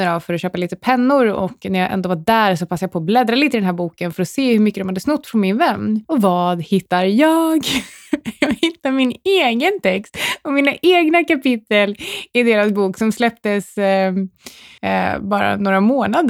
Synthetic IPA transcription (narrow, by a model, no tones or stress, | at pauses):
əɾavfœɾɔɕøːpaliːt̪əpʰɛnːʊɾɔ̰kːnæɾjɑʔɛ̰nd̪oːvaɖæːɾsɔpʰasːajapʰɔːblɛd̪ɾaliːt̪əɪd̪ɛnɦæːɾbuːkənfœɾɔseːhɵɾmʏkːəd̪ɔmhad̪ːəsnɵt̪ːfɾɔnmɪnvɛnːɔvɑːd̪hɪt̪ːaɾjɑːɡ | jɑɡhɪt̪ːamɪneːɡənt̪ʰɛkst̪ɔmiːnaʔeːɡnakapɪt̪ːəlɪd̪eːɾasbuːksɔmslɛp̚t̪əs | bɑːɾa̰noːɾamoːnad̪ə